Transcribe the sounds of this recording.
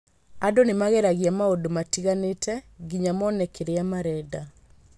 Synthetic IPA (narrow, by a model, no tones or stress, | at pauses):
adonemaɣɛɾaɣjamaodomatiɣanetʰɛɡiɲamɔnɛkeɾeamaɾɛda